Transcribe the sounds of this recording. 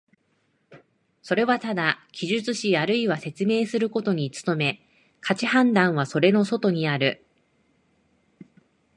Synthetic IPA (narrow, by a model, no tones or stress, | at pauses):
so̞ɾe̞βat̪ad̪akʲʰiʑɨt͡sɨɕijaɾɯ̟iβase̞t͡sɨme̞ːsɨɾɯ̟ko̞t̪o̞ɲ̟it͡sɨ̥t̪o̞me̞ | kʰat͡ɕihãnd̪ãɰ̃β̞aso̞ɾe̞no̞so̞t̪o̞ɲ̟iaɾɯ̟